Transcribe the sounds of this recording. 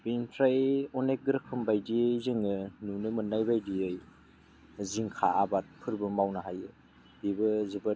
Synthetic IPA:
binpʰɾajɔnek̚ɡɯɾɯkʰɯmbajdijzɯŋɯnunɯmɯnːajbajdiɯj | ziŋkʰa̰abat̚pʰɯɾbɯmawnaɦajɯ | bibɯzɯbɯ

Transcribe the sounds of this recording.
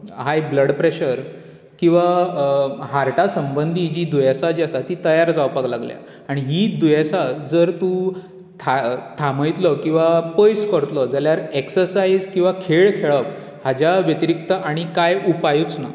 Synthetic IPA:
ɦajbləɽpɾeɕəɾ | kĩw̃ʋa | ɦaɾʈasəmbənd̪ʱid͡ʑiːd̪ujasad͡ʑasat̪iːt̪əjaɾd͡zawpaɡlaɡlja̰ | aɽ̃iɦiːd̪ujesad͡zəɾt̪ũ | t̪ʰat̪ʰaməjt̪lɔkĩw̃ʋapəjskəɾt̪lɔd͡zaljaɾeksəɾsaid͡zkĩw̃ʋakʰeɭkʰeɭəp | had͡ʑaʋjət̪iɾik̚t̪əʔaɽ̃ikajupajut͡sna̰

